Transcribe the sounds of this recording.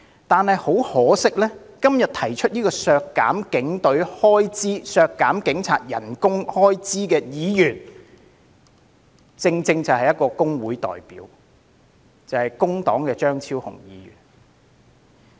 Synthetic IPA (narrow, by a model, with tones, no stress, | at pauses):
t̪aː˨nhɐ˨jho˨˥whɔː˨˥sɪ˥k̚lɛː˥ | kɐ˥mjɐ˨t̚t̪ʰɐ˨˩jt͡ʃʰɵ˥t̚jiː˥kɔː˧sœː˧kːa̰ː˨˥mkɪ˨˥ŋt̪ɵ˨˥ɥhɔː˥jt͡siː˥sœː˧kːaː˨˥mkɪ˨˥ŋt͡sʰaː˨t̚jɐ̰˨˩nkʊ˥ŋhɔː˥jt͡siː˥kɛː˧jiː˨˧jyː˨˩n | t͡sɪ˧ŋt͡sɪ˧ŋt͡sɐ˨wɦɐ˨jɐ˥t̚kːɔː˧kʊ˥ŋwuː˨˥jt̪ɔ̰ː˨jpḭː˨˥w | t͡sɐ˨˩hɐ˨jkʊ˥ŋt̪ɔː˨˥ŋkɛː˧t͡ʃœː˥ŋt͡sʰiː˥whʊ̰˨˩ŋjiː˨˧jy̰ː˨˩n